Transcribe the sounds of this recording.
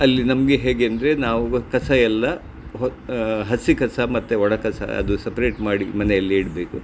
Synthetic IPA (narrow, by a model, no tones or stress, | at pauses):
ɐlːinɐmɐɡeɦeːɡeɐnd̪ɐɾe̞naːʋukɐsɐɛlːɐ | ɦɦɐsikɐsɐmɐt̪ːeɔɽɐkɐsɐ̰ɐ̰d̪usɐpɐɾe̞ːʈmaːɽimɐnɛjɐlːiiːɽbeːku